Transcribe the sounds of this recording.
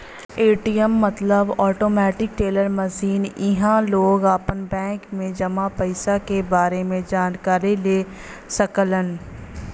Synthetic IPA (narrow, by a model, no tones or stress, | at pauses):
eːʈijəmːət̪ləbɔːʈoːmɛːʈɪk̚ʈeːləɾməsiːnɪɦãloːɡaːpənbɛ̃ːŋkmẽd͡ʒɐmapəɪsakebaːɾemẽd͡ʒaːnkaːɾileː | səkələn